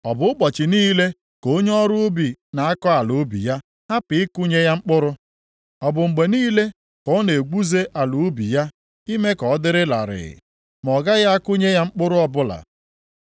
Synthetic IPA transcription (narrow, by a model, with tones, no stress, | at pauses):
ɔ˨bʊ˨˦ʊ˦k͡pɔ˨t͡ʃɪ˨niː˦le˦ | ko˨˦ɲ˦ɔ˦ɾʊ˦ʊ˦bi˨na˨a˦kɔ˦a˨lu˨˦bḭ˨ja˦ | ha˦pɪ˨ɪ˦kʊ˦ɲe˦ja˦ŋ͡m̩˦k͡pʊ˦ɾʊ˦ | ɔ˨bʊ˨ŋ͡m̩˨ɡ͡be˨niː˦le˦ | kɔ˦ne˨ɡ͡bu˦ze˦ʔa˨lu˨˦bḭ˨ja˦ | i˦me˦kɔ˨˦dɪ˦ɾɪ˦la̰˨ɾɪ̰˨ɪ̰˨ | m˨ɔ˨ɡa˦ɣa˦a˦kʊ˦ɲe˦ja˦ŋ͡m̩˦k͡pʊ˦ɾʊ˦ɔ˦bʊ˦la̰˨